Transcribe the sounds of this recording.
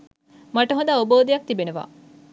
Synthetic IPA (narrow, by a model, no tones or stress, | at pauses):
mɐʈəɦod̪aːoboːd̪ejɐk̚t̪ibenuʋa̰ː